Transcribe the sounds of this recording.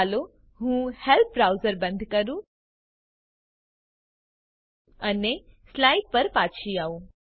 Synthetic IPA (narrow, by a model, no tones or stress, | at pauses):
lo | ɦũːhɛlp̚ʰɾaʊzəɾbɐ̃nd̪ʱkɐɾũ | ɐneslaːɪʈ̚pɐɾpaːt͡ʃʰiaːu